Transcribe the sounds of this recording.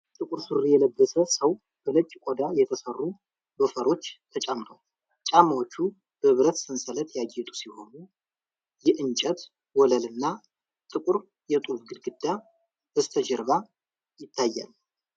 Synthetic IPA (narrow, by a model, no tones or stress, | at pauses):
t̪ʼɨkʼuɾsɨrijɛləbːəsəsəw | b̥əlɨt͡ʃʼːkʷʼod̪ajɛt̪ʰəsərːu | bəfəɾo̞t͡ʃːt̪ʰət͡ʃʼamt̪ʰəwa | t͡ʃʼamawot͡ʃːu | b̥əɨβɾət̪sɨnsələt̪jaɡːɛt̪ʼu̥siho̞nu | jɛʔɨnt͡ʃʼɛt̪ | wɔləlɨnːa | t̪ʼɨkʼuɾ | jɛt̪ʼufɡɨlɡɨd̪ːa | b̥əst̪ʰəd͡ʒɛɾβa | jɪt̪ʰːajːa̰l